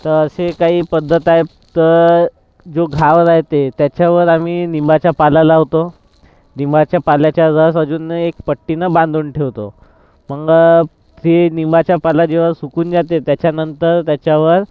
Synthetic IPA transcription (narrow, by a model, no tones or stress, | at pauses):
t̪əɾəsekaɦiːpəd̪ʱːət̪ae | t̪əɾ | d͡zoɡʱaʋɾaɦt̪et̪jat͡ɕjaʋəɾamiːnimbat͡ɕjapalalaːʋt̪o | nimbat͡ɕjapaljat͡ɕjaɾəs̬əd͡zuːnekpəʈːinəbãnd̪ʱuːɳʈʰeʋt̪o̰ | məɡ | t̪enimbat͡ɕjapalad͡ʑeʋ̤asukuːnd͡zat̪et̪jat͡ɕjanənt̪əɾt̪jat͡ɕjaʋəɾ